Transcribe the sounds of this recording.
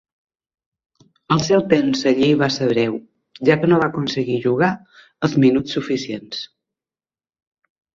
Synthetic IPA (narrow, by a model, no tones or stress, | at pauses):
əlˠsɛwt̪emzəʎiβasəβɾɛw | ʒakənoβakunsəɣiʒuɣ̞a | əlˠzminut͡ssːufisiens